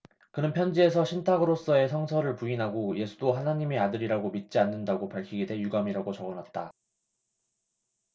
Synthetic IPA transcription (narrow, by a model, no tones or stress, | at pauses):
kɯnɯnpʰjʌnd͡ʑie̞sʰʌɕʰintʰaɡɯɾos͈ʌe̞sʰʌŋsʰʌɾɯɭpuinɦaɡoje̞sʰudoɦanaɲimiadɯɾiɾaɡomit̚t͡ɕ͈ianːɯndaɡopaɭkʰiɡedwe̞juɡamiɾaɡot͡ɕʌɡʌnɦat̚t͈a